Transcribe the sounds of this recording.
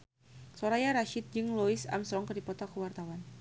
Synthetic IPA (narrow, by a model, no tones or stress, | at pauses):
soɾajaɾaʃɪt̪̚d͡ʒɨŋlɔisa̰msɾɔŋkərdipɔt̪akəwart̪awan